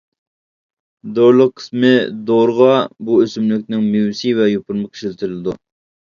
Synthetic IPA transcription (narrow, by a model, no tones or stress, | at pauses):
d̪oɾlˠəqʰːə̥smɪd̪oɾʁɑbuøsymlykʲnɪŋmewsivɛjopʰʊɾmɨkʲʰi̥ʃlɪt̪ʰɪɾɪlɪd̪ṵ